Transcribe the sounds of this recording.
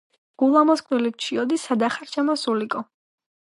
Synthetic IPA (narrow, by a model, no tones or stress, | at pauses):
ɡ̥ulˠamɔskʼvɛlip̚t͡ʃʰiɔd̪isad̪aχaɾt͡ʃʰamɔsulikʼɔ